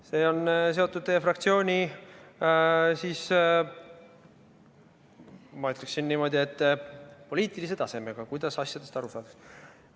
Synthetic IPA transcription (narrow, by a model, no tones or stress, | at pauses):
se̞ːo̞ns̬e̞o̞t̪ːˑud̪̚t̪ejːefrɑkt̪sio̞ːnʲi | siːs | mɑyt̪leksinːiːmo̞d̪̥ʲie̞t̪ːpo̞liːt̪ˑilise̞t̪ɑse̞me̞ɡ̥ɑkujd̪̥ɑsɑsʲjɑd̪̥e̞st̪ɑɾusɑːd̪ɑ̥ks